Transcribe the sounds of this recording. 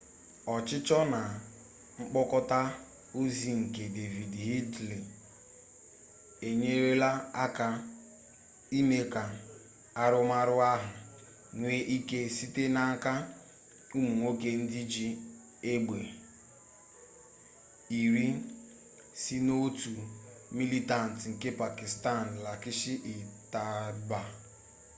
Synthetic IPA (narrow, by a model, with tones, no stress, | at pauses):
ɔ˨t͡ʃɪ˦t͡ʃɔ˦na˨ | ŋ͡m̩˦k͡pɔ˦kɔ˦ta˦ | o˦zi˨ŋ̩˨ke˨de˨vi˨dɦi˦dli˨ | e˨ɲe˦ɾe˦la˦a˦ka˦ | i˦me˦ka˨ | a˦ɾʊ˦ma˦ɾʊ˦a˦ɦʊ˨ | ŋʷe˦ʔi˦ke˦si˦te˦na˦ŋ˦ka˦ | u˦mu˨ŋʷo˦ke˦n̩˦dɪ˦d͡ʒi˦ | e˦ɡ͡bʷe˨ | i˨ɾi˦ | si˦no˦tu˨ | mi˦li˦ta˨n̩˨tŋ̩˨ke˦pa˨ki˨sta˦˨n̩˨la˨kɪ˦ʃi˦ʔi˨ta˨ba˨